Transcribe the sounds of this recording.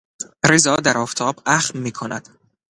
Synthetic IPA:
ɾezɒːd̪æɾɒːft̪ʰɒːbæxmiːkʰonæ̰d̪̥

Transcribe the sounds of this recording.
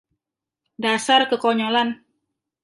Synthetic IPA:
dasarkəkɔɲolan

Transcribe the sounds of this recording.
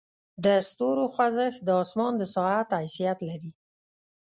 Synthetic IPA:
d̪əst̪oɾoxwazəxd̪əɑsmɑnd̪əsɑat̪ajsijat̪laɾi

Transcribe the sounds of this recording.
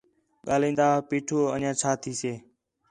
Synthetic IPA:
ɠaːlĩːnd̪aːɦpiːʈʰoːənjãːt͡ʃʰaːt̪ʰiːseː

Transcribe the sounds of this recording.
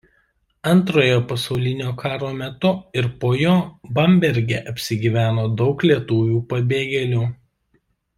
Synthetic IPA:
ɐnt̪ɾoːjoːpɐsɒʊlʲɪnʲoːkʰɑːɾoːmʲɛt̪ʊɪɾpoːjoːbɐmʲbʲɛɾʲɡʲɛʔɐpʲsʲɪɡʲiːʋʲæːnoːd̪ɒʊklʲiɛt̪uːʋʲuːpɐbʲeːɡʲɛlʲuː

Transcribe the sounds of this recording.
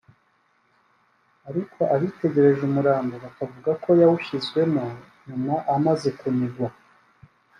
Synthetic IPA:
aɾikʰo̞ʔaβite̞ɟe̞ɾe̞ʒumuɾaːmɡoβakavuɡakʰo̞jawuʃizɡwe̞mo | ɲumaʔamaze̞kumiɡwa

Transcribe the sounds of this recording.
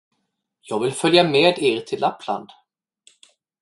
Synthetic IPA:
jɑːɡvɪlfœljameːd̪eːɾt̪ʰɪlʔapʰla̰nd̪

